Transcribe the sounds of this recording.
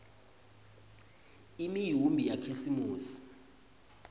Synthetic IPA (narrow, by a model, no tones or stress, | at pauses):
imijumbʱijakʰisimuːsi̥